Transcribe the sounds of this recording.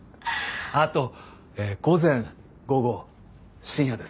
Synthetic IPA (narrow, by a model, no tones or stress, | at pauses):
at̪o̞ | eːɡ̥o̞zẽ̞ŋ | ɡo̞ɡo̞ | ɕĩɰ̃jad̪e̞s